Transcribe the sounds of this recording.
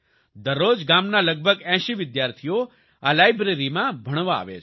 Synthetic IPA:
d̪əɾːod͡ʒɡamnaləɡ̚bʱəɡɛ̃ʃiʋɪd̪jaɾt̪ʰijo | alajbɾeɾimãbʱəɽ̃ʋaa̰ʋḛt͡ʃʰ

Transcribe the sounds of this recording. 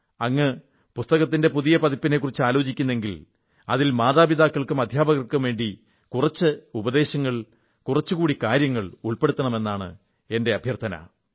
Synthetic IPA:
ɐŋːɨ | pust̪ɐɣɐt̪̬ːinde̞puðijɐpɐðipːinekːurit͡ɕːɨaːlo̞ːt͡ɕikʲːunːe̞ŋɡil | ɐðilmaːðaːbiðaːkːɐɭkɨmɐd̪ʱjaːbɐɣɐrkɨmʋe̞ːɳɖi | kurɐt͡ɕːɨubɐðe̞ːɕɐŋːɐɭ | kurɐt͡ɕːɨkuːɽikaːɾjɐŋːɐɭuɭpeɽut̪ːɐɳɐme̞nːaːɳɨ̰ | e̞nde̞ɐbʱjɐrt̪ʰɐnɐ̰

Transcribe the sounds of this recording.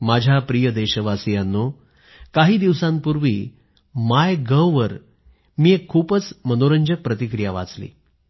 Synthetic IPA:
mad͡ʑʱjapɾijəd̪eɕəʋasjanːo | kaɦiːd̪iʋsãmpuɾʋḭː | majɡəwʋəɾ | miːekʰːuːpət͡smənoɾəɲd͡ʑək̚pɾət̪ikɾijaʋa̰t͡slḭː

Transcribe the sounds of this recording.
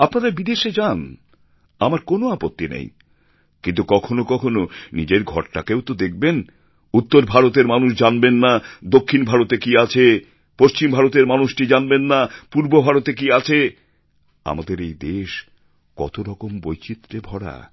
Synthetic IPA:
apnaɾabid̪eʃed͡ʑan | amaɾkonoapot̪ːinḛj̰ | kint̪ukɔkʰonokɔkʰononid͡ʑeɾɡʱɔ̰ɾʈa̰kewt̪od̪ek̚ʰben | ut̪ːoɾbʱaɾot̪̬eɾmanuʃd͡ʑanbenːad̪okʰːinbʱaɾot̪ekiat͡ɕʰe | poʃt͡ɕimbʱaɾot̪̬eɾmanuʃʈid͡ʑanbenːapuɾbobʱaɾot̪ek̬iat͡ɕʰe | a̰mad̪eɾejd̪eʃ | kɔ̰t̪oɾɔkombojt͡ɕit̪ːɾebʱɔɽa̰

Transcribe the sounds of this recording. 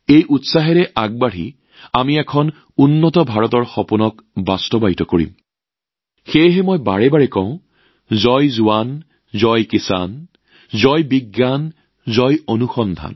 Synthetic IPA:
ejʔutsaɦɛɹɛʔaɡ̚baɹi | amiɛkʰɔn | unːɔtɔbʱaɹɔtɔɹxɔpunɔkbastɔbajtɔkoɹḭm | xejɦɛmɔjbaɹɛbaɹɛkɔ̃ʊ̃ | zɔjzʊwan | zɔjkisa̰n | zɔjbiɡːan | zɔjonuxɔnd̪ʱa̰n

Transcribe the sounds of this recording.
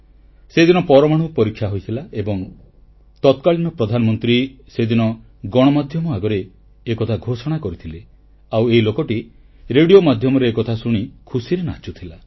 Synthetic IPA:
sed̪inɔpɔɾɔmaɽ̃upɔɾikʰːjaɦojt̪ʰilaebɔŋ | t̪ɔt̪kaɭinɔpɾɔd̪ʱanɔmɔnt̪ɾi | sed̪inɔ | ɡɔɽ̃ɔmad̪ʱjɔmɔaɡɔɾeː | kɔt̪ʰaɡʱosɔɽ̃akɔɾit̪ʰile | aweilokɔʈi | ɾeɽijomad̪ʱjɔmɔɾeːkɔt̪ʰasuɽ̃ikʰusiɾena̰t͡ʃut̪ʰila

